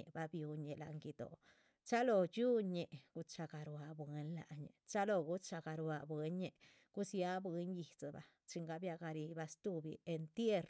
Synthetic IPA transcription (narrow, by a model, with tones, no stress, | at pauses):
ḛ˨ba˦bju˧ɲe˨la˨˧ŋɡi˧d̪o̰˨ | t͡ʃa˦lo˧t͡ʃu˦ɲe˨ʔɡ̥u˧t͡ʃa˧ɡa˨ɾwa˧bwe˧nla̰˨ʔɲḛ˨t͡ʃa˦lo˧ɡu˦t͡ʃa˧ɡa˨ɾwa˧bwe˦ɲe˧ | ɡ̥u˦sja˦bwe˧˦ɲji˨t͡sa˨ba̰˨ | t͡ʃi˧ŋɡa˧bja˧ɡa˧ɾi˧ba˧st̪u˦bi˧e˧nt̪je˦ɾ